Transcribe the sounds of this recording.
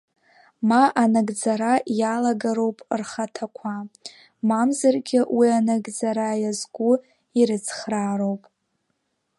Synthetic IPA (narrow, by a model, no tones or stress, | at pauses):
maʔanaɡd͡zaɾajalaɡaɾo̞wpʼrχatʰakʷʰa | mamzarɡʲɪwianaɡd͡zaɾajazɡʷu | iɾɨt͡sʰχraːɾowpʼ